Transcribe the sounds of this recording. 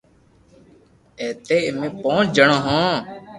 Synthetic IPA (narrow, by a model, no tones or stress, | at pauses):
eːt̪eːemẽːpõːt͡ʃd͡ʒəɳõːɦõː